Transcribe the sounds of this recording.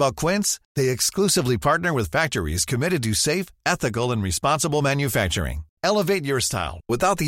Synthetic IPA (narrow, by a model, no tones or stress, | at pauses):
bat̚kʰw̥ɪ̃nsðeɪɨksklusɨvlipʰɑɹtⁿnə˞wɨð̥fæk̚t͡ʃə˞ḭz̥kʰɨmɪɾɨd̚tɨseɪfɛθɨk̬l̩ˠə̃nɹispɑ̃nsəbl̩ˠmæ̃njɨfæk̚t͡ʃə̰˞ɪ̰̃ŋɛlˠəveɪt̚ə˞sta̰ɪlˠwɪθaʊt̪̚ði